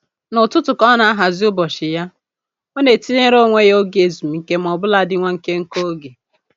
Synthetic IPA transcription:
nʊ˨tʊ˦tʊ˨kɔ˦na˦a˦ɦa˨zɪ˦ʊ˦bɔ˨ʃɪ˨ja˦ | o˦ne˨ti˦ne˦ɾo˦ŋʷe˦jo˦ɡe˨zu˨m̩˨ŋ̩˨ke˦m̩˨ɔ˨bʊ˦la˦dɪ˦ŋʷa˦ŋ̩˨ke˦ŋ̩˦ko˦ɡe˨

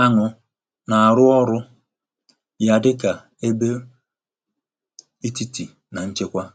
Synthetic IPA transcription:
a˦ŋʊ˨ | na˨a˨ɾʊ˦ɔ˦ɾʊ˦ | ja˦dɪ˦ka˨ | e˦be˦ | i˦ti˦ti˨ | na˨n̩˦t͡ʃe˦kʷa˦

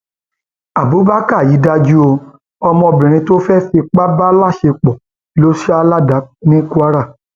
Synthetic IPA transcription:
a˨bu˨˦ba˦ka˦˨ji˨˦da˧d͡ʒu˦o˧ | ɔ˧mɔ̃˧bɾĩ˨ɾ̃ĩ˧to˦fɛ˦fi˧k͡pa˦ba˦la˦˨ʃe˧k͡pɔ˨ | i˨˦lo˦ʃa˦la˦˨da˨˦nĩ˦ku˦a˦ɾa˦˨

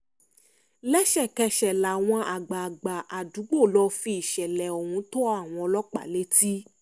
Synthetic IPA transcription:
lɛ˦ʃɛ˦˨kɛ˧ʃɛ˨la˨w̃ɔ̃˧ʔa˨ɡ͡ba˨ɡ͡ba˨ʔa˨du˨˦ɡ͡bo˦˨lɔ˧fi˧i˨ʃɛ˨lɛ˨ɔ˨hũ˧˦to˦a˦˨w̃ɔ̃˧lɔ˦k͡pa̰˨le˦ti˦

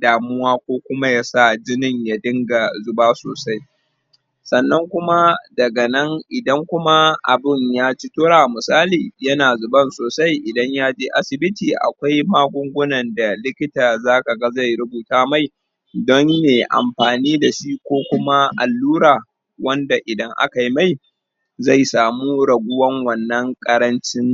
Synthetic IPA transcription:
daː˨mʊ˦waː˦kʷoː˦kʷʊ˦ma˦jaː˦sa˦˨d͡ʒɪ˦nɪ˦ɲja˦dɪ˦ŋɡa˨zʊ˨baː˦so̰ː˨sa˦j | sɐ˨nːɐ˦ŋkʷʊ˦ma˦dɐ˨ɡɐ˨nɐ˦ŋʔɪ˨dɐ˦ŋkʷʊ˦ma˦ʔa̰˨bɪ˦˨ɲjaː˦t͡ʃɪ˦toː˦ɽaː˨mʊ˨saː˦liː˨jɐ˦naː˨zʊ˨bɐ˦nsoː˨sa˦jʔɪ˨dɐ˦ɲjaː˦d͡ʒeː˦ʔa˦sɪ˨bɪ˦tiː˨ʔa̰˨kʷa˦jmaː˦ɡʷʊ˦ŋɡʷʊ˦nɐ˨nda˨lɪ˦kʲɪ˦taː˨zaː˦ka˨ɡɐ˦za˦˨jɽʊ˦buː˨taː˦ma˦˨j | dɔ˦nːeː˨ʔa̰˨mɸaː˨niː˦da˨ʃi˦kʷoː˦kʷʊ˦ma˦ʔa̰˨lːuː˦ɽaː˨ | wɐ˦nda˨ʔɪ˨dɐ˦ŋʔa̰˦ka˨ji˦ma˦˨j | za˦˨jsaː˨muː˦ɽɐ˨ɡʷʊ˦wɐ˦ŋwɐ˨nːɐ˦ŋkʼɐ˦ɾɐ˦nt͡ʃɪ˦ŋ

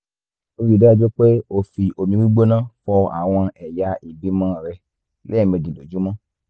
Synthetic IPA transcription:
o˧ɾi˨da˦˧d͡ʒɔ˦k͡pe˦o˦˨fi˨ʔo˨mĩ˧wi˦ɡ͡bo˦nãː˦fɔ˧a̰˨w̃ɔ̃˧ɛ˨ja˨˦i˨bi˨˦mã˦˨ɾɛ˧ | lɛ˦˨mɛ̃˨˧dĩ˨do˨d͡ʒu˨˦mɔ̃˦

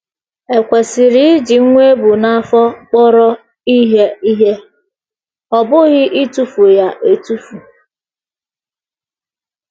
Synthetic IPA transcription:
e˨kʷe˨sɪ˨ɾi˦ɪ˦d͡ʒi˨ŋ̩˦ŋʷe˦bʊ˨na˦fɔ˦k͡pɔ˦ɾɔ˦ | i˦ɦe˦i˦ɦe˦ | ɔ˨bʊ˦ɣɪ˦ʔi˦tu˦fu˨ja˨ʔe˨tu˦fu˨

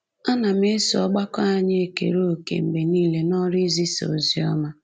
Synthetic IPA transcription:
a˦na˨m˦e˦si˨ɔ˦ɡ͡ba˦kɔ˦a˦ɲ˦e˦˨kḛ˨ɾo˦o˦˨kḛ˨m̩˨be˨niː˦le˦nɔ˦ɾi˦zi˦so̰˨zi˨ɔ˦ma˦

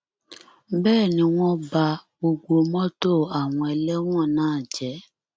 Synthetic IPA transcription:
bɛː˦˨nĩ˧˦w̃ɔ̃˦ba˧ɡ͡bo˧ɡ͡bo˧mɔ̃˦to˦˨a˨w̃ɔ̃˧ɛ˧lɛ˦w̃ɔ̃˦˨nãː˦˨d͡ʒɛ˨˦

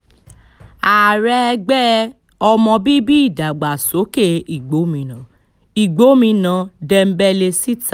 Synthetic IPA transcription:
a˨ɾɛ˧ɡ͡bɛ˦ | ɔ˧mɔ̃˧bi˦bi˦i˦˨da˨ɡ͡ba˨so˨˦ke˦i˨ɡ͡bo˨˦mĩ˧nã˨˦ | i˨ɡ͡bo˨˦mĩ˧nã˨˦dɛ˧m̩˦bɛ˦le˧si˦ta˨

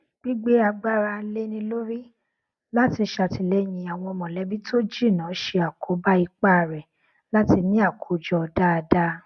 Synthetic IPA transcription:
ɡ͡bi˦ɡ͡be˦a˧ɡ͡ba˦ɾa˧˦le˦nĩ˧lo˦ɾi˦ | la˦ti˧ʃa˧˨ti˧lɛ˦j̃ĩ˧˦a˨w̃ɔ̃˧ɔ˧mɔ̃˨lɛ˨˦bi˦tʰo˦d͡ʒi˦˨nã˨˦ʃe˧a˨kʰo˨˦ba˦i˧k͡pa˦˨ɾɛ˨ | la˦ti˧nĩ˦a˦˨kʰo˨˦d͡ʒɔ˦˧da˦a˧da˦

